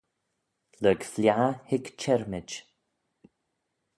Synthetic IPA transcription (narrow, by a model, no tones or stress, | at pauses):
lœːɡfljahɪkt͡ʃʰɛɹmɪd͡ʒ